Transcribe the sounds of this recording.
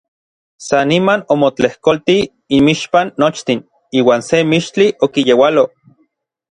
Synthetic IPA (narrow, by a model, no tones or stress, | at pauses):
sanimanomot͡ɬehkolt̪i | imiʃpanːot͡ʃt̪in | iːwaːnsemiʃt͡ɬiʔokijewalo